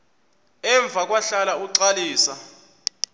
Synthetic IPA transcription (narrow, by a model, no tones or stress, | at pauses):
ɛɱb̪vʱak̬ʼwaɬalauǀaliːsa